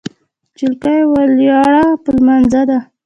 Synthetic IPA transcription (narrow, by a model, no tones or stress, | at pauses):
t͡ʃilkajwaljɑɽapəlmanzad̪a